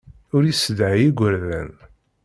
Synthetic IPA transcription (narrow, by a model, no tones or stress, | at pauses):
ʊɾisəd̪ʕjiɡʷəɾðæ̰n